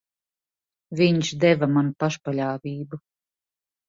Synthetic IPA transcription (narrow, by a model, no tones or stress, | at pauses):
vʲiɲʃd̪ɛvamanupaʃpaʎʲaːvʲiːbu